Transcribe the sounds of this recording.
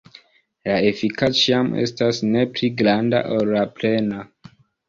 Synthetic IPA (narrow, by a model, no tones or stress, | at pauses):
laefikat͡ʃiamʔe̞̰stasne̞pliɡɾanda̰ʔollaple̞na